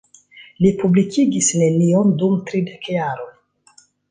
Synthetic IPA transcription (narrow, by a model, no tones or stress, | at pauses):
lipublikʰiɡisne̞niondumtɾidekjaɾo̞n